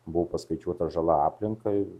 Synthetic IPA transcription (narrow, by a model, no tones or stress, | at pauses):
bʊʋopɐskɐɪt͡ʃʲuɔt̪ɐʒɐlˠɐɑːpʲlʲɪŋkɐɪ